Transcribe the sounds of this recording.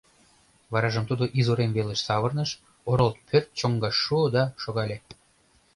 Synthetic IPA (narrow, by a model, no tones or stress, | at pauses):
βɑɾɑʒəmt̪ud̪oʔizoɾemveləʃsɑβərnəʃ | oɾolt̪̚pʰørt̪̚t͡ɕoŋɡɑʃːuod̪ɑʃoɣɑlʲe